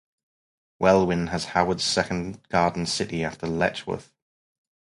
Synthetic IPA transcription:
wʔɛlˠwɪ̃nəz̥haʊwədz̥sɛkə̃nɡ̥ɑːdⁿn̩sɪtiaftəlɛ̰t͡ʃwə̰θ

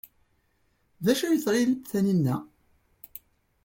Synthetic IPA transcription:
ðæʃæjət͡sˤɾˤiləθæninːæ

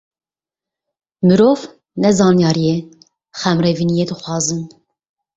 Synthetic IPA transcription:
mɨɾoːv | nɛzɑːnjɑːɾijɛ | xɛmɾɛvinijed̪ɨxwɑːzɨn

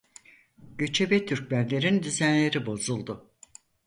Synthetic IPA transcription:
ɟ̥ø̞t͡ʃʰebet̪ʰyɾc̚bænlʲe̞ɾind̪yzænlʲe̞ɾibo̞zulˠd̪ʊ

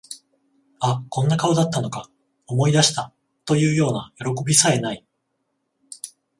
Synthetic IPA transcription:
akõ̞nːakaod̪at̪ːano̞ka | o̞mo̞id̪aɕi̥t̪a | t̪o̞jɯ̟ːjo̞ːnajo̞ɾo̞ko̞bʲisae̞nai

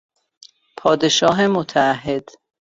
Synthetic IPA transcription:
pʰɒːd̪eʃɒːɦemot̪ʰæːɦːed̪̥

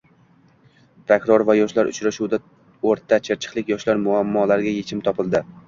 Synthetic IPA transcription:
pʰɾokɾoɾvajɒʃlaɾʊ̰t͡ʃʰɾaʃuwd̪a | oɾt̪ʰːat͡ʃʰeɾt͡ʃʰɪ̥qlˠɪkʲjɒʃlaɾmʊamːɒlaɾɡʲaje̞t͡ʃʰɪmt̪ʰɒpʰɪlˠd̪ɪ

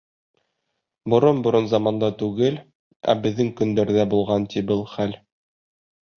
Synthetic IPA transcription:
bŏɾonbŏɾɤnzɑmɑnd̪ɑt̪ʉɡɘl | æ̰bɘ̆ðːɘŋkɵ̆nd̪æɾðæbulˠʁɑnt̪ibɤlˠχæl

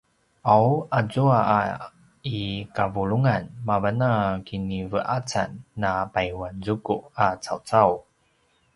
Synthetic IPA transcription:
ʔawazua̰ | ikavuluŋanmavanakinivəʔat͡sa̰nːapajwanzukuʔat͡sa̰wt͡saw

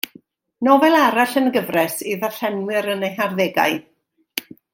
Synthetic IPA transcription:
nɔvɛlˠaɾaɬənɡəvrɛsiðḁɬɛnwɪɾənejɦarðeɡa̰ɨ

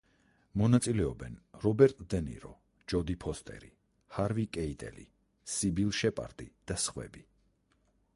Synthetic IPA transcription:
mɔnat̪sʼilɛɔbɛnɾɔbɛɾt̪ʼd̪ɛnḭɾɔ | d͡ʒɔd̪ipʰɔst̪ʼɛ̰ɾi | haɾvikʼɛit̪ʼɛ̰lḭ | sibilˠʃɛpʼa̰ɾt̪ʼid̪̥asχwɛ̰bi

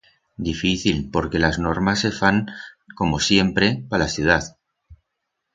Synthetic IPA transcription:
d̪ifiθilpo̞ɾke̞lazno̞ɾmasːe̞faŋko̞mo̞sje̞mpɾe̞palaθjuð̞að

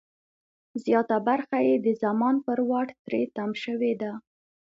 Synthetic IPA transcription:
zjɑt̪abaɾxajed̪əzamɑnpəɾwɑʈt̪ɾet̪amʃəwed̪a

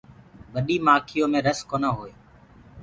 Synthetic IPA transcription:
ɓəɗiːmaːkʰɪjõːmẽːɾəskoːnaːɦoːeː

